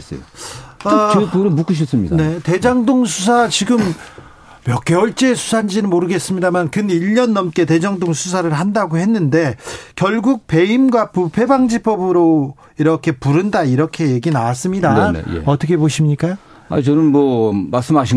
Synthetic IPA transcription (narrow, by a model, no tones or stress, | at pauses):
s͈ʌoaɯkɯɾɯnmuk͈ɯɕ̬ʰʌs͈ɯmɲidnete̞d͡ʑaŋdoŋsʰus̬ʰat͡ɕiɡɯm | mjʌk͈ʰːewʌɭt͡ɕ͈eːsʰu̥sʰand͡ʑinɯnmoɾɯɡe̞s͈ɯmɲidamankɯniʎɲʌnːʌmk͈e̞te̞d͡ʑaŋdoŋsʰus̬ʰaɾɯɭɦandaɡohe̞nːɯnde̞kjʌɭɡuk̚pe̞imɡwapupʰe̞baŋd͡ʑipʌbɯɾo | iɾʌkʰe̞puɾɯndaiɾʌkʰe̞je̞ɡinawas͈ɯmɲidaenḛḛʌt͈ʌkʰe̞boɕʰimɲik͈a | a̰t͡ɕʌnɯnmʌmaɭs͈ɯmɦaɕ̬ʰi